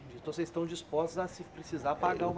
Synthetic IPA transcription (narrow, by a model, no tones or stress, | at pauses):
d͡ʒĩt̪ɐ̃vsezɪst̪ɐ̃w̃d͡ʒispɔst̪ʊzɐsɪpɾesizaɾpaɡaɾũm